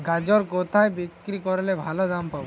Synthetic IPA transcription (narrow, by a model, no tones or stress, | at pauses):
ɡad͡ʒɔɾkɔt̪ʰajbikɾikɔɾelɛbʱalɔd̪ampaw